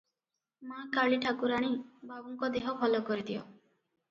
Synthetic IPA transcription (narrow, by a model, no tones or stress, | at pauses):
makaɭiʈʰakuɾaɽ̃ibabɔŋkɔd̪eɦɔbʰʱɔlɔkɔɾit̪ʰiɔ̰